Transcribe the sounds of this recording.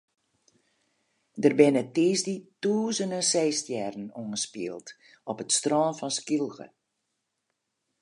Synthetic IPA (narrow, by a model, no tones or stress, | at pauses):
dərbɪnətiːsdituːzənənsɛːstjɛrən̩onəspiəlˠt | ɔpətstrɔːnfɔnskilˠɣə̰